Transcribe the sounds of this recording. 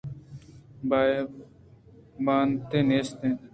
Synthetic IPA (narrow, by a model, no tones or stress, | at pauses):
ba | baːnt̪eneːst̪ẽ